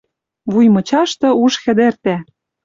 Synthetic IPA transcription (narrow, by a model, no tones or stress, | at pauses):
βujmɤ̆t͡ɕɑʃt̪ɤ̆uʃxɘ̆d̪ĕrt̪æ